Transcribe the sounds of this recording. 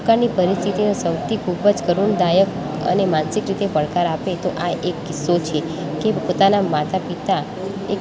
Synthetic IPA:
kaɾnipəɾist̪ʰit̪inosəwt̪ʰikʰubəd͡ʒkəɾuɳd̪ajək | ə̰nemansikɾit̪epəɭkaɾapet̪oʔaʔekːɪsːot͡ʃʰe | kepot̪anamat̪apit̪a | e

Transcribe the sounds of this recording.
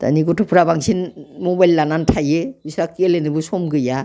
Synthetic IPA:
ta̰niɡɔtʰupʰuɾabaŋsʰinmɔbajlːanantʰajebisɾakelenɯbɯsɔmɡɯja

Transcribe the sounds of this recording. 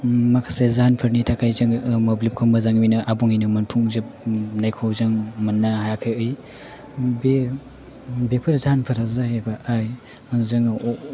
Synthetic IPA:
makʰasezaanpʰɯɾnitʰakʰajzɯŋmoblip̚kʰɔmbazaŋminɐʔabuŋinɯmɐnpʰuŋzepnajkʰawzaŋmɐnːahajakʰajɯj | be | bepʰɯɾzaanpʰɯɾazahebaaj | zɯŋ

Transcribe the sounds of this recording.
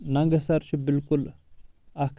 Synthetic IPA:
naŋɡəsaɾt͡ʃʰibɪlkul | ak

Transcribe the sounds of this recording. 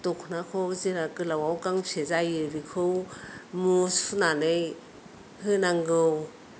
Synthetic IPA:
tɔkʰnakʰowziɾakɯlawawkaŋpʰezajɯɾikʰɯwmusunanej | hɯnaŋɡɯw

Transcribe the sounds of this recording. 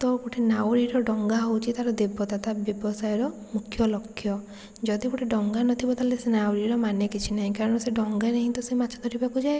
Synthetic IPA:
t̪ɔkuʈʰinawɾiɾɔɖɔŋɡaɦowt͡ʃʰit̪aɾɔd̪ebɔt̪at̪abjɔbɔsajɔɾɔ | mukʰjɔlɔkʰːjɔ | d͡ʒɔd̪ikuʈʰiɖɔŋɡanɔt̪ʰibɔt̪ʰalesenawɾiɾɔmanekit͡ʃʰinaɦĩkaɾɔɽ̃ɔseɖɔŋɡanaɦĩt̪ɔsemat͡ʃʰɔd̪ʰɔɾʰibakud͡ʒae

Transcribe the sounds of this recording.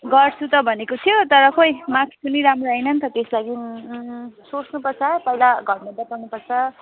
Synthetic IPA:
ɡʌrt͡sʰut̪ʌbʱʌnekot̪ʰijot̪ʌɾʌkojmãkʰi̥pʌniɾamroɦʌjnʌnt̪ʌt̪eslaɡin | sot͡snupʌrt͡sʰʌpʌjlaɡʱʌɾmʌb̪apʌrnupʌrt͡sʰʌ

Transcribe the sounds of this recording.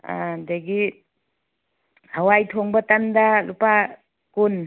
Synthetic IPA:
a̰deɡi | hawajtʰɔŋbɐtandalupa | kun

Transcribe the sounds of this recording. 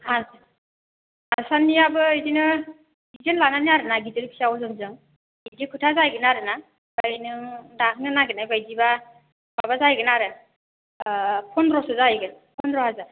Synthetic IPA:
a | asanːiabɯidinɯ | izɯnlananiaɾɯnaɡitɯɾipʰi̥sawɔzɯŋzɯŋ | idikʰutʰazajɡɯnaɾɯna | b̥ajnɯŋdak̚nɯnaɡɯnajbajdiba | b̥aβazajɡɯnaɾɯ | pʰɔndɾɔsɯzajɡɯnpʰɔndɾɔhaza

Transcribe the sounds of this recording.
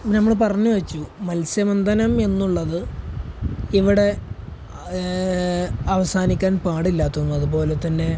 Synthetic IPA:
nɐmːɐɭpɐrɐɲːuʋɐt͡ɕːumɐlsjɐmɐnd̪ɐnɐme̞nːuɭːɐðɨ | iʋiɽe̞ | ɐʋɐsaːnikʲːaːnpaːɽilːaːt̪ːunːuɐðupo̞ːle̞t̪ːɐnːe̞

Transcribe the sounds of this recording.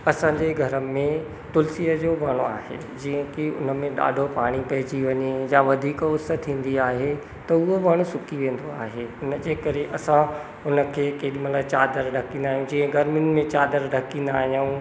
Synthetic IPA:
ɐsãːɲd͡ʑeɡʱɐɾəmẽ | t̪ʊlsiːəd͡ʑoːʋaːɽ̃oa̰ːɦḛ | d͡ʑĩːə̃kiʊ̰nəmẽɗa̰ːɖʱopaːɽ̃ipɐɦɪd͡ʑiʋɐɲejãʋɐd̪ʱiːkʊsət̪ʰːĩːn̆d̪iaːɦe | t̪ɐʊɦoʋaːɽ̃ũsʊkiʋẽːn̆d̪oaːɦeʊnəd͡ʑeːkɐɾeʔɐsã | ʊnə̆kʰeːkeːɗimɐt̪əbt͡ɕaːd̪əɾɖʱɐkĩːnd̪aːɦijũd͡ʑĩːə̃ɡʱɐɾmɪnɪ̆mẽt͡ɕaːd̪əɾɖʱɐkĩːnd̪aːɦijaũ

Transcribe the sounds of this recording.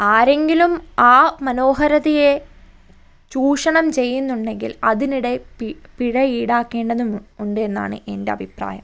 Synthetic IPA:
aːɾe̞ŋɡilumaːmɐno̞ːɦɐɾɐðije̞ | t͡ɕuːʂɐɳɐmt͡ɕe̞jːunːuɳɖe̞ŋɡḭlɐðiniɽe̞ppiɻɐiːɽaːkːe̞ːɳɖɐðumuɳɖɨe̞nːa̰ːɳɨ̰ʔe̞nde̞ɐbʱipra̰ːjɐm

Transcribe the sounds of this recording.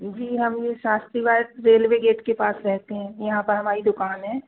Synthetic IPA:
d͡ʒiːɦɐmjeʃaːst̪ɾiʋaːʈ̚ɾeːlʋeɡeːʈkepaːsɾɛɦt̪eɦɛ̃ːjɐɦãpɐɾɦɐmaːɾid̪ʊkaːnɦɛ̃ː

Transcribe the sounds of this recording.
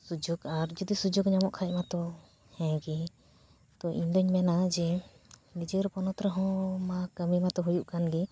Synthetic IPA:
sud͡ʒuɡaɾd͡ʒɔd̪isud͡ʒuɡɲamɔʔkʰaɛʔmat̪ɔ | hɛ̃ɡɛ | t̪ɔʔind̪ɔɲmɛnad͡ʒɛ | nid͡ʒəɾpɔnɔt̪ɾɛɦɔ̃makəmimat̪ɔɦujuʔkanɡɛ

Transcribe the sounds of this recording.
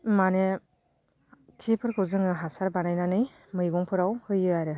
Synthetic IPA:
mane | kʰipʰɯɾkʰɯwzɯŋɯɦasaɾbanajnanɯj | mɯjɡɔŋpʰɯɾawhɯjɯaɾɯ

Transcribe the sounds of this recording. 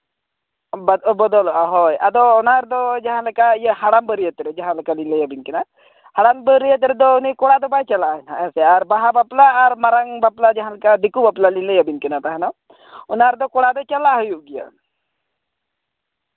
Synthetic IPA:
bɐbɔd̪ɔlɦɔjad̪ɔːnaɾd̪ɔd͡ʒaɦãləkajəhaɽambəɾijət̪ɾɛd͡ʒaɦãləkalinləjabinkina | haɽanbəɾijət̪ɾed̪ɔnikɔɽad̪ɔbajt͡ʃalaɦnaseaɾbaɦabaplaːɾmaɾaŋbaplad͡ʒaɦãləkad̪ikubaplalinləjabinkinat̪aɦɛnɔ | unaɾd̪ɔkɔɽad̪ɔt͡ʃalaɦɔjuɡijə̰

